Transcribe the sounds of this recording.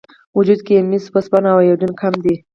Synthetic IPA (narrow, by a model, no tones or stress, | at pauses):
wʊd͡ʒud̪kemispaspanawajad̪unkʰamd̪i